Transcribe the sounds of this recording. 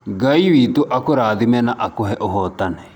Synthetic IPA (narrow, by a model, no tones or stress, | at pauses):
ɡɐjʋiːt̪uʔɐkuɾaːd̪imɛnɐʔɐkuɦɛʔuɦoːt̪ːɐnɛ